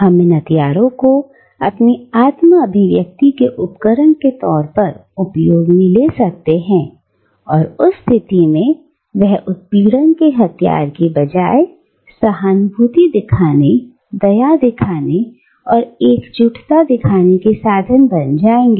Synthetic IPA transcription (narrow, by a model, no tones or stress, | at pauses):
ɦɐmenɐt̪ijaːɾõko | ɐpniaːt̪məɐbʱɪʋjɐk̚t̪ikeʔʊpkəɾəɳket̪ɔːɾpɐɾʊpjoːɡmĩlesɐk̚t̪eɦɛ̃ | ɔːɾʊsːt̪ʰɪt̪imẽ | ʋɛɦʊt̪̚piːɽənkeɦɐt̪ʰija̰ːɾkebɐd͡ʒaːe | sɐɦaːnbʱuːt̪id̪ɪkʰaːne | d̪ɐjad̪ɪkʰaːne | ɔːɾeːkt͡ʃʊʈʰt̪ad̪ɪkʰaːnekesaːd̪ʱənbɐnd͡ʒaːẽːŋɡeː